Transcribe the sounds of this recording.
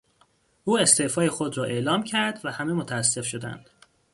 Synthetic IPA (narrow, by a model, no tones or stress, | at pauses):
ʔuːe̞st̪eːfɒːje̞xo̞d̪ɾɒːʔe̞ʔlɒːmcʰæɾd̪væhæme̞mot̪ʰææsːe̞fʃo̞d̪æ̰nd̪̥